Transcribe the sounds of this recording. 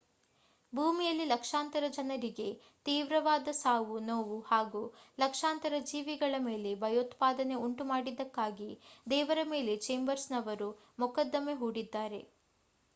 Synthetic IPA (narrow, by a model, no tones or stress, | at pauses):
bʱuːmijɐlːilɐkʂaːnt̪ɐɾɐd͡ʒɐnɐɾiɡe̞ | t̪iːʋɾɐʋaːd̪ɐsaːʋunoːʋuhaːɡuːlɐkʂaːnt̪ɐɾɐd͡ʒiːʋiɡɐɭɐme̞ːle̞bʱɐjot̪paːd̪ɐne̞uɳʈumaːɽid̪ːɐkːaːɡid̪ɛːʋɐɾɐme̞ːle̞t͡ʃe̞ːmbɐɾsnɐʋɐɾu | mukɐd̪ːɐme̞ɦuːɽid̪ːaːɾe̞